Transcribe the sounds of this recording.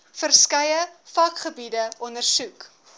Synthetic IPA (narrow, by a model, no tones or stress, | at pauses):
fərskɐjəfɐkχəbidəʔɔndərsuk